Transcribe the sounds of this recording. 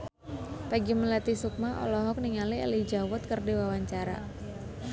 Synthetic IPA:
paɡiməlat̪isuk̚maʔɔ̰lɔɦɔk̚niŋaliɛ̰lid͡ʒawʊt̪̚kərdiwawaɲt͡ʃaɾa̰

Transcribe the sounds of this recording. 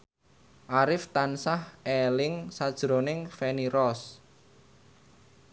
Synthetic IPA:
ʔaɾɪft̪ansahɛlɪŋsad̥ʒ̥ɾo̤nɪŋfɛniɾɔs

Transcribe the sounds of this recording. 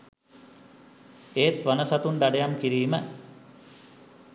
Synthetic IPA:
eːt̪ʋanəsat̪unɖ̪aɖejamkiɾiːmə

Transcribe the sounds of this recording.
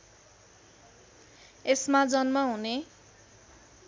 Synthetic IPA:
esmad͡zʌnmaɦune

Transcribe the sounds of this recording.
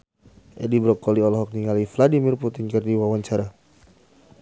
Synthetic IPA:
ʔɛdibɾɔkɔliɔlɔɦɔk̚niŋalifladimirput̪ɪnkɨrdiwawaɲt͡ʃaɾa

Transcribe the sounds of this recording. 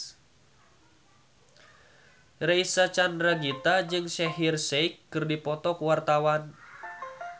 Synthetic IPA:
reisat͡ʃanraɡit̪ad͡ʒɨŋsɛɦirseikːɨrdipɔt̪ɔkuwart̪awan

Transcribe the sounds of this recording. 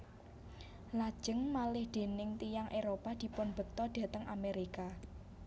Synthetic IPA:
lad̥ʒ̥ə̤ŋmalɪhd̪̥e̤nɪŋt̪ijaŋʔeɾopad̪̥i̤pʊnb̥ə̤k̚t̪ɔd̪̥a̤t̪əŋʔameɾika

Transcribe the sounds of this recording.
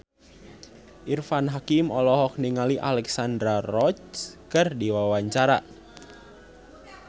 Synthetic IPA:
ʔirfanɦakimɔlɔɦɔk̚niŋaliʔa̰lɛksand̪ɾarɔt͡ʃkɨrdiwawaɲt͡ʃaɾa

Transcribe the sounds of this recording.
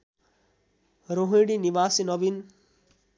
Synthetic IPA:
ɾoɦiɽiniʋaːsinɔʋin

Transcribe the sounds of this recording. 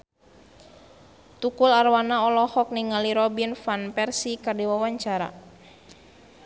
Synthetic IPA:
t̪ukularwanaɔlɔhɔk̚niŋaliɾɔbinfanpɛrsikadiwawaɲt͡ʃaɾa̰

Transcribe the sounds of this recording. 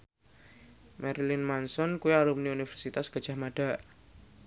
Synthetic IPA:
mɛɾilinmansɔnkuiaɾumuniunifɛrsit̪asɡ̥a̤̥d͡ʒ̥a̤hmaɖ̥a̤ʔ

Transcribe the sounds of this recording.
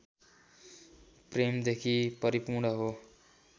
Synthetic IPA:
premd̪ekʰipʌɾipuɽʌɦo

